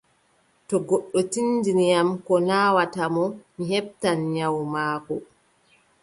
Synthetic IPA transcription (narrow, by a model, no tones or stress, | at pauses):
tɔɡɔɗːɔtinːdinijamkɔnaːwatamɔmiɦɛb̚tanɲawmaːkɔ